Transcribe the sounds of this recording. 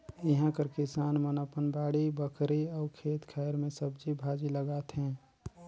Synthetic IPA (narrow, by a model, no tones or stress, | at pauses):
ɪɦãkəɾkɪsaːnmənoːpənbaːɽibəkʰɾiɔːkʰeːt̪kʰɛjɾmẽsəbd͡ʒibʱaːd͡ʒiləɡaːt̪ɦɛ̃ː